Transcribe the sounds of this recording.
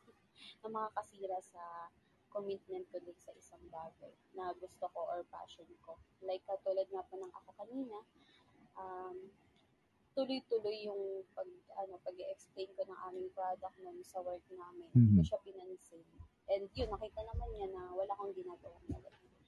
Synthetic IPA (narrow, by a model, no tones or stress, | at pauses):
nɐmɐŋakɐsiːɾɐsɐ | komɪt̪̚mɛnt̪̚kʊlɐjk̪sɐʔɪsaŋd̪aːvɛl | nɐɡʊst̪okoʔoɹpa̰ːʃonko̞lajkːɐt̪ulɐd̪̚ŋɐpʊnɐŋʔɐ̰ko̞kɐniːnɐʔɐm | t̪ʊlojt̪ʊlojːʊŋpɐɡ̚ʔɐno̞pɐɡɛʔɛksplejnko̞nɐŋʔaːmɪŋpɾad̪ɐk̚nonsɐwɛɹk̚naːmɪnmɐʃapɪnɐnsɪnʔɛnd̪jonːɐkiːt̪ɐnɐmanɲanɐwɐlaːkoŋɡɪnaːɡɐwaŋnɐlɐ̰ɡɪ